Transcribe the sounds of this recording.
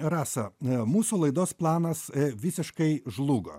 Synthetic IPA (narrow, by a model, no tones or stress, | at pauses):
ɾɑːsɐmuːsulˠɐɪd̪oːsplˠɑːnɐsʋʲɪsʲɪʃkɐɪʒlˠuːɡo̰